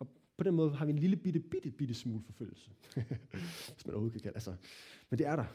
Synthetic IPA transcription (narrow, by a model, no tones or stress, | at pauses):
ɒ̽ | pʰɒ̽d̥enmɔ̽ːðˠɦɑ̈ʋienliləb̥id̥əb̥id̥əb̥id̥əsmuːlfɒ̽føl̰l̩sə | ʋesmænʔo̰ːho̝kʰækʰælʔælsɒmend̥e̝æɐɾɑ̈